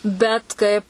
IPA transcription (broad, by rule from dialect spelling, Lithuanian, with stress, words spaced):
bʲɛt ˈkɐɪp